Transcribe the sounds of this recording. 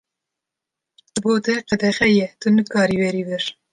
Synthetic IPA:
d̪ɨboːt̪ɛqɛd̪ɛxɛjɛt̪ɨnɨkɑːɾiːwɛɾiːbɛɾ

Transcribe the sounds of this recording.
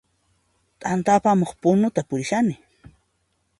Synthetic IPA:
t̪ʼant̪apamoχpʊnʊt̪apʊɾɪʃanɪ

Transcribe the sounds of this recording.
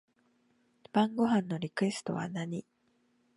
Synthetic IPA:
b̥ãŋɡo̞ɦãnːo̞ɾʲikɯ̟e̞sɨ̥t̪o̞̰βa̰naɲ̟i

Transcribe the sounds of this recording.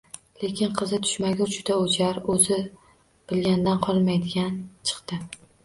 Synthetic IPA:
le̞kʲɪnqʰɨzɪt̪ʰʊ̥ʃmaɡʲad͡ʒʊd̪aot͡ʃʰaɾɵzɪ | b̥ɪlɡʲand̪anqʰɒlˠmajd̪ɪɡʲant͡ʃʰɨ̥qt̪ɪ

